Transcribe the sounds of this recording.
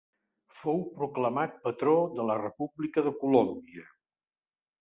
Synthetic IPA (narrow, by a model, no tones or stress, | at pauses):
fowpɾukləmat̪̚pət̪ɾoðələrəpublikəðəkulombiə